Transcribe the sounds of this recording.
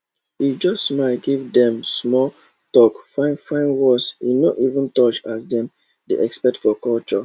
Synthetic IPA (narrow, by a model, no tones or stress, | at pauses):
id͡ʒɔstmaɡivdɛ̃msmɔ | tɔkfãɪnfãɪ̃nwɔsinɔtivũntɔt͡ʃasdɛ̃m | deʔɛkspɛtfɔkɔlt͡ʃɔ